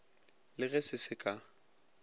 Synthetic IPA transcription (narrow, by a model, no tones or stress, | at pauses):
lɪɣɛsɪsɪkʼa